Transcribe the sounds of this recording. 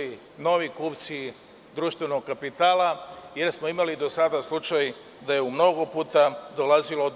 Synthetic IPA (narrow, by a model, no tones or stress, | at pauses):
i | no̞ʋikuːpt̪si | d̪ɾuʃt̪vʋeno̞ɡkapit̪aːlaje̞ɾsmo̞imalid̪o̞sad̪aslˠut͡ʃaj | d̪ajeumno̞ɡopuːt̪ad̪olazilo